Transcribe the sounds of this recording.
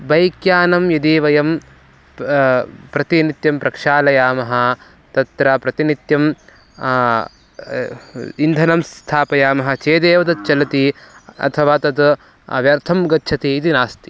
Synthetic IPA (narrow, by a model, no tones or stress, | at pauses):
bɐjkjaːnɐmjɐd̪iːʋɐjɐm | pɾɐt̪init̪jɐmpɾɐkʂaːlɐjaːmɐɦɐ̆ | t̪ɐt̪ɾɐpɾɐt̪init̪jɐm | ind̪ʱɐnɐmst̪ʰaːpɐjaːmɐɦɐ̆t͡ʃeːd̪eːʋɐd̪ɐt̪̚t͡ʃɐlɐt̪iɐ̰t̪ʰɐʋaːt̪ɐt̪ | ɐ̰ʋjɐɾt̪ʰɐmɡɐtːt͡ʃʰɐt̪iːt̪inaːst̪i̥